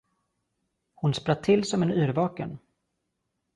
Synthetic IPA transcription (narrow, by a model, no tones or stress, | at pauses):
hʊnspɾat̪ʰːɪlːsɔmɛnʉːɾvɑːkən